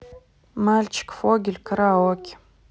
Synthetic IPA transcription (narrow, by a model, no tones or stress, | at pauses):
malʲt͡ʃɪ̥kfoɡʲɪlʲkəɾaokʲ